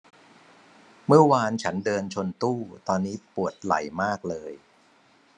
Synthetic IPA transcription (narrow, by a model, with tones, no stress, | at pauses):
mɯ˥˩ɐwaː˧nt͡ɕʰa˦˥ndɤː˧nt͡ɕʰo˧nt̪uː˥˩t̪ɔː˧nːiː˦˥pu˨˩ət̪̚la̰˨˩jmaː˥˩k̚lɤː˧j